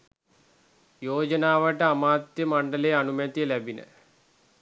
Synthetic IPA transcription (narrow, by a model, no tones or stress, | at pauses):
joːd͡ʒɐnaːʋəʈəamaːt̪jəmaɳɖəleːanumɛt̪ijəlæbinə̰